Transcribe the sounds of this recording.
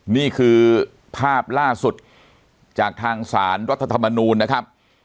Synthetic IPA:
niː˥˩kʰɯː˧ | pʰaː˥˩p̚laː˥˩su˨˩t̪̚ | t͡ɕaː˨˩k̚t̪ʰaː˧ŋsaː˩˦nɾa˦˥t̪ʰːa˧t̪ʰa˧mːa˧nuː˧nːa˦˥kʰa˦˥p̚

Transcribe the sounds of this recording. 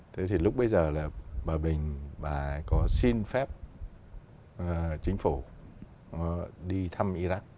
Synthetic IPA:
t̪ʰe˨˦t̪ʰi˨˩lʊ˦˥k͡p̚ɓə˧jzəː˨˩laː˨˩ɓaː˨˩ɓï˨˩ŋ̟ɓaː˨˩˦kɔ˨˦si˧nfɛ˦˥p̚ | t͡ɕï˨˦ŋ̟fu˧˩ | nɔ˨˦ɗi˧t̪ʰa˧mʔi˧za˦˥k̚

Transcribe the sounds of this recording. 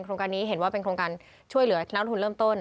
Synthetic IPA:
nkɾoː˧ŋkaː˧nːiː˦˥ɦe˨˩˦nwaː˥˩pe˧nkʰɾoː˧ŋkaː˧n | t͡ɕʰu˥˩əjlɯ˩˦ɐ˨n̚ʰ˦˥˧u˧ɾɤː˥˩mt̪o˥˩n

